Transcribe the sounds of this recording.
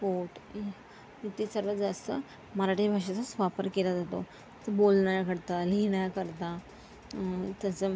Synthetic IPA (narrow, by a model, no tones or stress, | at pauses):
poʈ | it̪isəɾʋəd͡zast̪ə | məɾaʈibʱaʂasasʋapəɾkelad͡zat̪o̰ | t̪əbolɳajakəɾt̪aliinajakəɾt̪a | t̪əsə